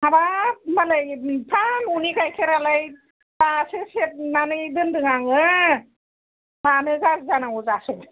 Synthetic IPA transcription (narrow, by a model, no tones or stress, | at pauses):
abamalajpʰanunikajkʰeɾalaj | tasɯset̚nanɯdɯndɯŋaŋɯ | pʰanɯɡaszanaŋuzasɯ